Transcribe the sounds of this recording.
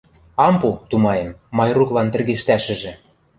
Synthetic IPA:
ɑmput̪umɑemːɑjruklɑnt̪ɘ̆rɣeʃt̪æʃɘ̆ʒĕ

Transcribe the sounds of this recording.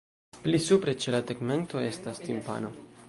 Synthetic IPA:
plisupɾe̞t͡ʃe̞lateɡme̞nto̞e̞stastimpa̰no̞

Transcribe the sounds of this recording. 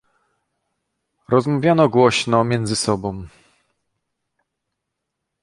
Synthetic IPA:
ɾɔzmavʲjanɔɡwɔɕnɔmʲjɛnd̪zɘsɔbɔ̃w̃

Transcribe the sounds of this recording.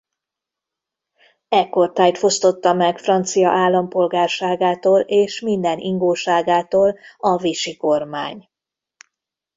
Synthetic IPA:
ɛkːo̞rt̪aːjt̪fost̪o̞t̪ːɒmɛkfrɒnt̪sijɒ̰ʔaːlːɒmpo̞lɡaːrʃaːɡaːt̪oːleːʃmind̪ɛniŋɡoːʃaːɡaːt̪oːlɒviʃiko̞rmaːɲ

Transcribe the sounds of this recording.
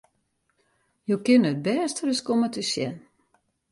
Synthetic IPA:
jowkɪnət̚bɛːstərəskomətəsjɛ̰n

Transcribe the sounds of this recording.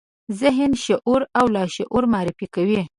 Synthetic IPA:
zɪɦɪnʃaʔuɾawlɑʃaʔuɾmɑɾɪfikawi

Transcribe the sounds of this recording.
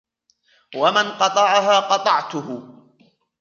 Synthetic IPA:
wamanqɑt̪ˤɑʕaɦaːqɑt̪ˤɑʕt̪ʊhʊ

